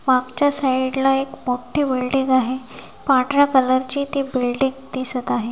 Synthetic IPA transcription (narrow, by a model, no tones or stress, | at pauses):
maɡt͡ɕjasaiɽlaekmoʈʰebiɭɖiŋɡaɦe | paʈɾakələɾt͡ɕiːt̪ibilɖiŋɡd̪isət̪aɦe